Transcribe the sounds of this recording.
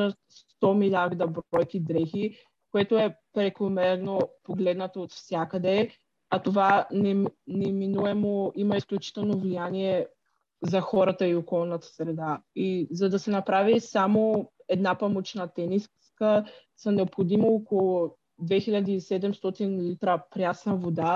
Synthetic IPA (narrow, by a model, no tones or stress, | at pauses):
ət̪st̪ɔmilʲaɾd̪ɐbɾɔjkid̪ɾɛxi | koɛt̪oɛpɾɛkˠomɛɾnopoɡlɛd̪nət̪oːt̪fsʲjakəd̪ɛ | at̪ovanɛnɛminuɛmoimɐisklʲut͡ʃi̥t̪ɛlˠnovlijaniɛ | zɐxɔɾɐt̪əiokɔlˠnɐt̪ə̥sɾɛd̪aizɐd̪ɐsɛnɐpɾavisamo | ɛd̪napamot͡ʃnɐt̪ɛniskəsɐnɛopxod̪imoːkolˠo | d̪vɛxiʎʲad̪iːsɛd̪ɛmst̪ɔt̪inlit̪ɾəpɾʲjasnəvod̪a